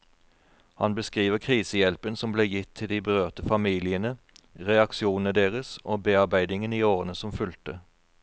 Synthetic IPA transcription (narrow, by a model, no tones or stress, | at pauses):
hɑnbəskʁiːʋəʁkʰʁiːsəjɛlpənsɔmbleːjɪt̪ʰːɪld̪iːbəʁøːʁt̪əfɑmiːlɪənə | ʁɛɑkʃɪuːnn̩əd̪eːʁəsoːbeːɑʁbæɪd̪ɪŋəniːoːʁənəsɔmfʉlt̪ə